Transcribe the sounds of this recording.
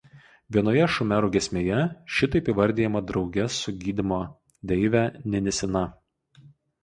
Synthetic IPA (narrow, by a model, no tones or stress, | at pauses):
ʋʲiɛnoːjɛʃʊmʲæːɾuːɡʲɛsʲmʲeːjɛʃʲɪt̪ɐɪpiʋɐɾʲd̪ʲeːjɛmɐd̪ɾɒʊɡʲɛsʊɡʲiːd̪ʲɪmoː | d̪ʲɛɪʋʲæːnʲɛnʲɛsʲɪnɐ